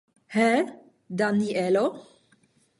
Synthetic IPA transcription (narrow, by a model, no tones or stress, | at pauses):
hɛ | d̪aniɛlo